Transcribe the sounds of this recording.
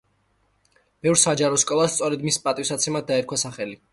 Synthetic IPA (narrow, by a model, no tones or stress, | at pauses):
b̥ɛvɾsad͡ʒaɾɔskʼɔlˠast̪sʼɔɾɛd̪mispʼat̪ʼiwsat̪sʰɛmad̪d̪aɛɾkʰwasaχɛli